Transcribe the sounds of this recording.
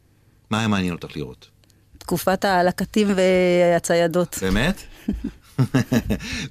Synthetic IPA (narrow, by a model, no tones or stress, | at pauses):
majamaːnjɛnot̪aχlḭʁo̰t̪ | t̪kufatalakatimveat͡sajado̞tbemet̪